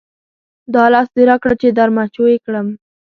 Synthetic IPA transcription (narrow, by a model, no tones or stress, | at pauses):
d̪ɑlɑsd̪eɾakɽat͡ʃed̪aɾmat͡ʃojekɽəm